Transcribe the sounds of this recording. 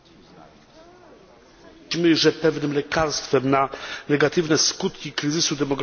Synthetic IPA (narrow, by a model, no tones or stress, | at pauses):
mɘʐɛpɛvnɘmlɛkaɾst̪fɛmnanɛɡat̪ɘvnɛskut̪kʲikɾɘzɘsud̪ɛmɔɡɾ